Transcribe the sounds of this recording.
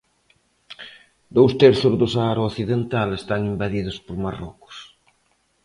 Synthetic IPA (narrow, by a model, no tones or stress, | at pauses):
d̪owst̪eɾθʊzðʊsaaɾooθiðent̪alest̪aŋimbaðiðʊspoɾmarɔkʊ̥s